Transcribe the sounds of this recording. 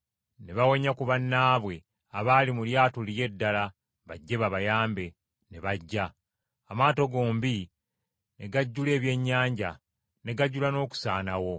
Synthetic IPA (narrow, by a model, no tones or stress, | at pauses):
ne̞βawo̞ɲakuβanːaːβwe̞ | aβaːlimuljaːtulije̞dːala | βaɟːe̞βaβajaːmbe̞ | ne̞βaɟːaː | maːto̞ɡo̞ːmbi | ne̞ɡaɟːule̞ːβje̞ɲːaːɲɟa | ne̞ɡaɟːulano̞ːku̥saːnawo̞